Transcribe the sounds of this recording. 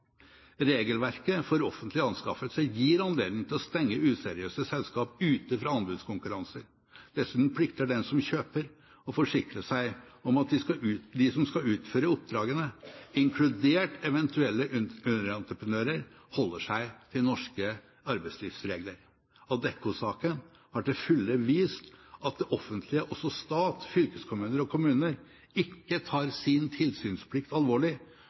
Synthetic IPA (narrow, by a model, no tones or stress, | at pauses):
ɾeːɡəlʋæɾkəfɔɾɔfənt̪lɪɑnskɑfət̪sɛjiːɾɑnlḛːd̪nɪŋt̪ʰɪlɔst̪ɛŋːəʉːsɛɾɪøːsəsɛlskɑːpʉːt̪əfɾɑɑnbʉd̪skʊŋkʉɾɑnsəɾ | d̪̥ɛsːʉːt̪n̩pʰlɪkt̪əɖɛnsɔmçøːpəɾ | ɔfɔʂɪkɾəsæɪɔmɑt̪̚d̪ɪsɑd̪ɪsɔmskɑʉːt̪føːɾəʊp̚d̪ɾɑːɡənəɪŋkʰlʉd̪eːʈɛʋɛnt̪ʰʉɛlːəʉnəɾɑnt̪ɾəpɾənøːɾəɾ | hɔlːəʂæɪt̪ʰɪlnɔʂkə | ɑɾbæɪsliːfsɾeːɡləɾ | ɑd̪ɛkːʊsɑːkən | hɑʈɪlfʉlːəʋiːst̪ɑt̪̚d̪ɛʔɔfənt̪ʰlɪəʔɔsɔst̪ɑːt̪fʏlkəskʰʊmʉːnəɾɔkʰʊmʉːnəɾ | ɪkːət̪ʰɑːɾsɪnt̪ʰɪlsyːnspʰlɪkt̪ɑlʋoːɭɪ